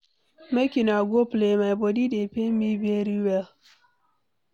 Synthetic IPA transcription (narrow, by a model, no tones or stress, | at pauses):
mekʲinaɡʷoplemajbodidepemibeɾiwɛl